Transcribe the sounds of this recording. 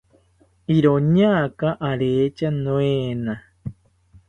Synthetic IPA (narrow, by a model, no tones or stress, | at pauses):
iɾoɲakaʔaɾeːt͡ʃanõeːna